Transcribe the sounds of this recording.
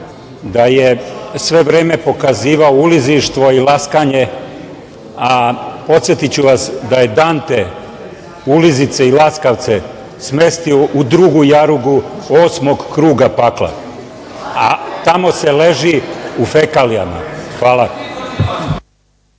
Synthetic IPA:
d̪ajesʋe̞ʋɾeːme̞po̞kaziːʋaouliziʃt̪ʋo̞ilaskaɲe | apo̞t̪sjet̪it͡ɕuʋasd̪aje̞d̪aːnt̪e | ulizit̪seilaskaʋt̪se | sme̞st̪ioʔud̪ɾuɡujaɾuɡuoːsmo̞ɡkɾuːɡapaklˠa̰ | at̪amo̞se̞le̞ʒiufekalija̰ma̰xʋaːla

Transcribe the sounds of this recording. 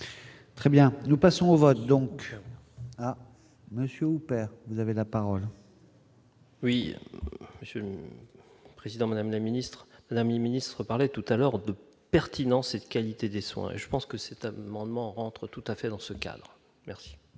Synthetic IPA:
t̪χɛbjɛ̃nupasɔ̃ovɔt̪̚d̪ɔ̃k | a | məsjøupɛʁvuzavelapaʁɔl | wi | məsjøl | pχezid̪ɑ̃mad̪amlaminist̪χmad̪amminist̪χəpaʁlɛt̪ut̪alœʁd̪ə | pɛʁt̪inɑ̃sed̪əkʲalit̪ed̪eswɛ̰̃ḛʒəpɑ̃skəsɛt̪amɑ̃d̪mɑ̃ʁɑ̃t̪χt̪ut̪afɛd̪ɑ̃səka̰d̪ʁ | mɛʁsi̥

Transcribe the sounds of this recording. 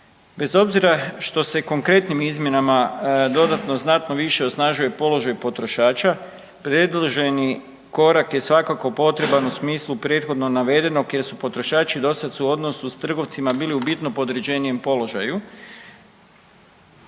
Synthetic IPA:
be̞zo̞bziɾaʃt̪o̞se̞ko̞ŋkɾe̞t̪nimizmje̞namad̪o̞d̪at̪no̞znat̪no̞ʋiʃe̞osnaʒuje̞po̞lo̞ʒajpo̞t̪ɾo̞ʃaːt͡ʃa | pɾe̞d̪loʒe̞ni | ko̞ɾakje̞sʋakako̞po̞t̪ɾe̞banusmiːslˠupɾje̞t̪xo̞d̪no̞naʋe̞d̪e̞no̞kje̞ɾsupo̞t̪ɾo̞ʃaːt͡ʃid̪o̞sat̪suo̞d̪no̞sust̪r̩ɡo̞ʋt̪simabiːliubit̪nopo̞d̪ɾed͡ʑe̞nije̞mpo̞lo̞ʒaju

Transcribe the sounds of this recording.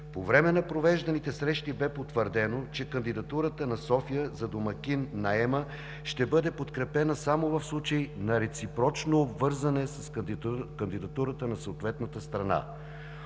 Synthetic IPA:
povɾɛmɛnɐpɾovɛʒd̪ɐnit̪ɛsɾɛʃt̪ibɛpot̪vəɾd̪ɛnot͡ʃɛkənd̪id̪ɐt̪uɾət̪ənɐsɔfijəzɐd̪omɐk̟inːɐɛmə | ʃt̪ɛbɤd̪ɛpot̪kɾɛpɛnəsamovɐfslˠut͡ʃəjnɐɾɛt̪sipɾɔt͡ʃnoːbvɤɾzɐnɛsɐskənd̪id̪ɐt̪uɾət̪ənɐsəot̪vɛt̪nət̪əst̪ɾɐna̰

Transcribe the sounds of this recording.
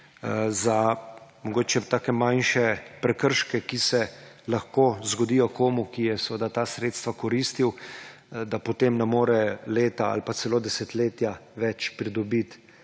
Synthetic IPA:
zamɔɡoːt͡ʃɛt̪aːkɛmanʃɛpɾɛkəɾʃkɛkisɛ | laxkoːzɡɔd̪iːjɔkoːmukijɛsɛʋəd̪at̪aːsɾeːt̪st̪ʋakɔɾiːst̪iw | d̪apɔt̪emnɛmoːɾɛleːt̪aa̰lpat̪sɛloːd̪ɛsɛt̪leːt̪jaʋɛt͡ʃpɾid̪ɔbit̪

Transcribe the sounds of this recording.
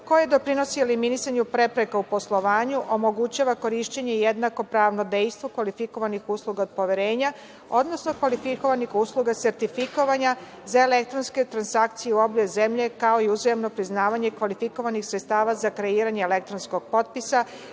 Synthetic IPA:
ko̞jed̪o̞pɾino̞sieliminisaɲupɾe̞pɾe̞kaupo̞slˠo̞ʋaːɲuʔo̞mo̞ɡut͡ɕaːʋako̞ɾiʃt͡ɕeɲe̞jed̪nako̞pɾaːʋno̞d̪e̞jst̪ʋokʋalifiko̞ʋanixuːslˠuɡaod̪̚po̞ʋjeɾe̞ːɲa | o̞d̪no̞sno̞kʋalifiko̞ʋanixuːslˠuɡase̞ɾt̪ifiko̞ʋaɲa | zaele̞k̚t̪ɾo̞nske̞t̪ɾansakt̪sijeuo̞bʎoze̞mʎe̞kao̞iuzajemno̞pɾiznaːʋaɲe̞kʋalifiko̞ʋanixsɾet̪st̪aːʋazakɾe̞iːɾaɲeele̞k̚t̪ɾonsko̞ɡ̥̚po̞t̪̚pisa

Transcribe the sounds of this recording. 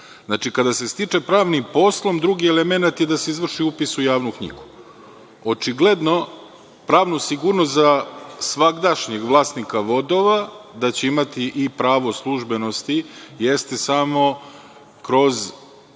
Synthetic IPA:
znat͡ʃikad̪ase̞st̪it͡ʂe̞pɾaːʋnipo̞slˠo̞md̪ɾuɡie̞lemenat̪jed̪aseizʋr̩ʃiupisujaːʋnukɲḭɡu | ot͡ʃiɡle̞d̪no̞ | pɾaːʋnusiɡuɾnost̪zasʋaɡd̪aʃɲeɡʋlˠaːst̪nikaʋo̞d̪o̞ʋad̪at͡ɕeimat̪iʔipɾaːʋo̞slˠuʒbe̞no̞st̪ijest̪e̞samo̞ | kɾo̞z

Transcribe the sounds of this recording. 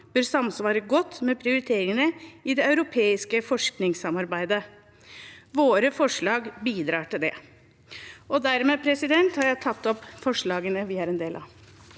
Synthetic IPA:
b̥øːɾsɑmsʋɑːɾəɡɔt̪ːmɛpʰɾɪʊɾɪt̪ʰeːɾɪŋənəɪd̪ɛɑʉɾʊpʰeːɪskəfɔʂknɪŋsɑmɑɾbæɪd̪ə | ʋoːɾəfɔʂɭɑːɡbiːd̪ɾɑːʈɪld̪ɛ | ʔɔd̪æɾmɛpʰɾɛsɪd̪ɛnt̪hɑɾjæɪt̪ʰɑt̪ːɔpfɔʂɭɑːɡənəʋɪæɾɛnd̪eːlʔɑ̰

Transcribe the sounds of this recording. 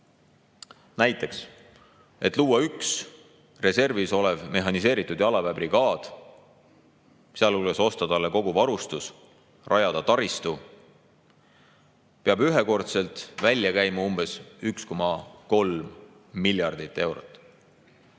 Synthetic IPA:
næjt̪ːˑe̞ks | e̞t̪ːˑluːwɑyks | re̞se̞rviso̞levme̞ɦɑnis̬e̞ːɾit̪ːˑud̪̥jɑlɑvæbriɡ̥ɑːd̪̥ | seɑlulɡ̥eso̞st̪ɑd̪̥ɑlːeko̞ɡuvɑɾust̪us | rʔɑjɑd̪̥ɑt̪ɑɾist̪u | peɑbyɦeko̞rt̪se̞lt̪ˑvælʲjɑkæjmɑumb̥e̞syksko̞mɑko̞lmː | ilʲjɑrd̪̥it̪ːˑe̞wɾot̪ːˑ

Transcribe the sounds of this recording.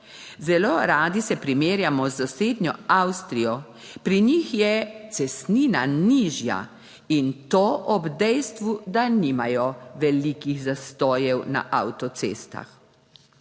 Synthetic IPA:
zɛloːɾaːd̪isɛpɾimeːɾjamɔzːaseːd̪ɲʲjɔawst̪ɾijɔ | pɾiɲixjɛt̪sɛst̪niːna̰niːʒja̰ | int̪oːʔɔbd̪ɛjst̪ʋud̪aniːmajɔʋɛlikiɣzast̪ɔːjɛwna̰ʔawt̪ɔt̪sḛːst̪a̰x

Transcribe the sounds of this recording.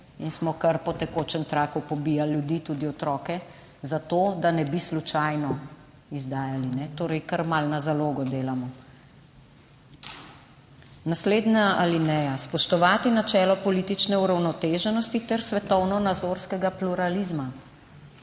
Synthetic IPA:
insmɔkɐɾpɔt̪ɛkoːt͡ʃɛnt̪ɾaːkupɔbijalːjud̪iːt̪ud̪iɔt̪ɾɔːkɛ | zat̪oːd̪anɛbislut͡ʃajnɔ | izd̪aːjalinɛt̪oːɾɛjkɐɾmalnazaloːɡɔd̪eːlamɔ | nasleːd̪naalinɛaspɔʃt̪ɔʋaːt̪inat͡ʃɛːlɔpɔliːt̪it͡ʃnɛuɾawnɔt̪eːʒɛnɔst̪it̪ɛɾsʋɛt̪ɔwnɔnazoɾskɛɡapluɾalizma

